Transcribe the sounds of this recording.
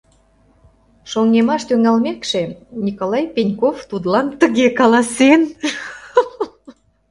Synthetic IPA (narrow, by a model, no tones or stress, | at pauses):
ʃoŋnemɑʃt̪yŋɑlmekʃenʲikolɑjpenʲkoft̪ud̪lɑnt̪əɣekɑlɑsen